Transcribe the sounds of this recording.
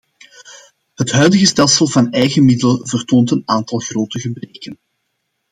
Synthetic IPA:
ɦətɦœɥdəɣəstɛlˠsəlˠvɑnɛjɣəmɪdələvərtoːntənaːntɑlˠɣroːtəɣəbreːkən

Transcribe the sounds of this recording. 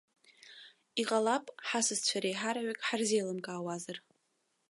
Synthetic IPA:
iqʼalapʼħasɨzt͡ɕʷʰaɾejħaɾaʕakʼħarzejlɨmkʼaːwazar

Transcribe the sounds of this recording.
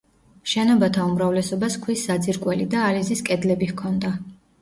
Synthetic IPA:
ʃɛnɔbat̪ʰaumɾavlɛsɔbaskʰwisːad̪ziɾkʼwɛlid̪aːliziskʼɛd̪lɛbihkʰɔnd̪a

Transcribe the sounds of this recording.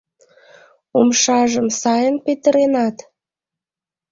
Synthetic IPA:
umʃɑʒəmsɑjənpet̪əɾenɑt̪

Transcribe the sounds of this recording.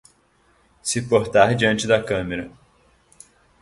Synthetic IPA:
sɪpoɾt̪aɾd͡ʒiɐ̃nt͡ʃɪd̪ɐkɐ̃meɾɐ

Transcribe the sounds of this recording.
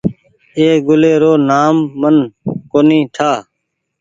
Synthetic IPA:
eːɡʊleːɾoːnaːmːənkoːnĩːʈʰaː

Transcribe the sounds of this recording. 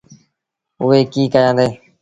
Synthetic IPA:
ʊɦeːkiːkəjãːnd̪eː

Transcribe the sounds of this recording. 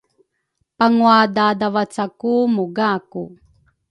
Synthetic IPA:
paŋuadadavat͡sakumuɡaku

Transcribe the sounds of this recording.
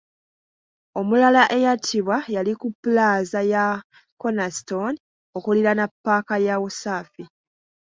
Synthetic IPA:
o̞mulalaʔe̞jatʰiβwajalikupːulaːzaja | ko̞nasto̞n | o̞kuliɾanapːaːkajawosaːfi

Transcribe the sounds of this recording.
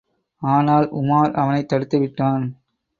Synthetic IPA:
aːnaːlʊ̰maːɾɐʋɐnɐɪt̪ːɐɽɯt̪ːɯʋɪʈːaːn

